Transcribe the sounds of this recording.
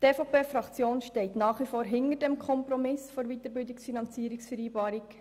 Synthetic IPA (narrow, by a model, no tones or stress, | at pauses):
teːfopʰeːfɾɑkt͡sjoːnʃtɛɪtnɑːχʋifoːɾɦɪnəɾdɛmkʰɔmpɾɔmɪsfoɾʋit̪əɾbɪldɪksfinɑnt͡siəɾɪksfɛɾiːbɑːɾik